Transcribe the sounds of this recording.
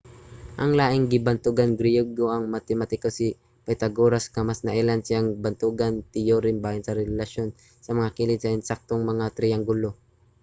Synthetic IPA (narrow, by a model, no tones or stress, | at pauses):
ʔɐŋlaːʔɪŋɡɪbɐnt̪ʊɡanɡɾɪjoɡoʔɐŋmat̪ɪmat̪ɪkosi | pɛt̪ɐɡoɾaskɐmasnɐʔɛlansɪaŋbɐnt̪uɡɐnt̪ɪjoɾɪmbaːjɐnsɐɾɛlɐʃjon | sɐmɐŋakiːlɪd̪sɐʔɛnsak̚t̪oŋmɐŋat̪ɾijaŋɡʊlo